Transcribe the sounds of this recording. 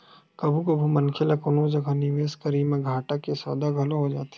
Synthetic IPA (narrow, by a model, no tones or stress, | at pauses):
kɐbʱukobʱumɐnkʰelɐkʊnõd͡ʒɐɡʱanɪʋeːskɐɾiːmẽɡʱaːʈakesɔ̰ːd̪aɡʱɐlõɦod͡ʒaːt̪e̥